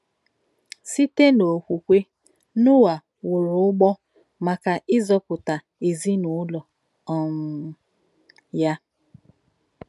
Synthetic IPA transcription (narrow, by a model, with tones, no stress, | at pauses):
si˦te˦no˨kʷu˨kʷe˦ | nʊ˦wa˨ | wʊ˨ɾʊ˨˦ʊ˦ɡ͡bɔ˦ | ma˨ka˨ʔɪ˦zɔ˦pʊ˨ta˨ | e˨zi˦nʊ˨˦lɔ˨ | ɔ˨m̩˨ | ja˦